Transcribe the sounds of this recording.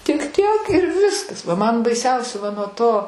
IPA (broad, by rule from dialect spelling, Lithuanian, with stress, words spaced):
tʲɪk ˈtʲiɛk ɪr ˈʋʲɪskɐs ʋɐ ˈmɐn bɐɪˈsʲɛʊsʲɛ ʋɐ nuɔ ˈtoː